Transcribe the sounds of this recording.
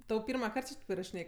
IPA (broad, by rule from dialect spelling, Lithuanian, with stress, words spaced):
tɐʊ ˈpʲɪrmɐˌkɐrt t͡ʃʲɪ ˈtɐɪp ɪrɐʃʲɪˈnʲeːj